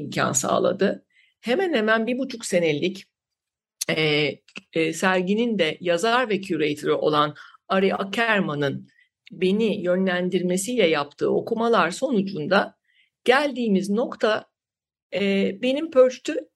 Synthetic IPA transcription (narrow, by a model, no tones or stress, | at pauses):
imcʰa̰nsa̰ːlˠa̰d̪ɯ | he̞mænhemænbibut͡ʃʰukse̞ne̞lʲːic | ɛ | sæɾɟinind̪ɛjazaɾvɛcʰuɾejt̪ʰoɾyʔo̞̰lˠanaɾiʔa̰cʰæɾmanɯn | be̞nijø̞nlʲænd̪iɾme̞sijlʲɛjap̚t̪ʰɯ̰ːo̞̰kʰumalˠaɾso̞nud͡ʒund̪a | ɟ̥ælʲd̪iːmizno̞kt̪ʰa | be̞nimpʰø̞ɾt͡ʃt̪ʰy